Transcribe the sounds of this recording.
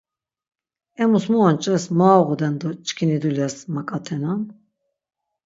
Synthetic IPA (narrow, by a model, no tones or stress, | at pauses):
ɛmusmuɔnt͡ʃʼɛsmaːʁud̪ɛnd̪ɔt͡ʃʼkʰinid̪ulɛsmakʼat̪ʰɛnan